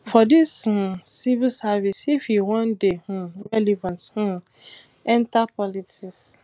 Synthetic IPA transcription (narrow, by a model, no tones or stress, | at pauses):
fɔdisusivilsavisifiwɔ̃ndeũɹɛlivãnthũ | ɛ̃ntapʰɔlitis